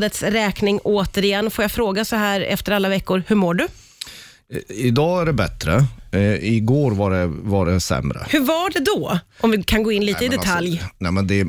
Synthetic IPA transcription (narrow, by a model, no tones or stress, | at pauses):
d̪ət̪sɾɛːknɪŋoːt̪əɾɪjɛnːfoːjafɾoːɡasɔɦæːɾɛ̰ft̪əɾalːavɛkːʊɾhɵmoːɖɵ | ɪd̪ɑːæɖɛbɛ̰t̪ɾə̰ | ɪɡoːɾvaɖɛvaɖɛsɛ̰mɾə̰hɵvaɖɛd̪ɔʔɔmvɪkʰanɡoːɪnliːt̪əɪd̪ɛt̪ʰaljnɛmɛnd̪ɛ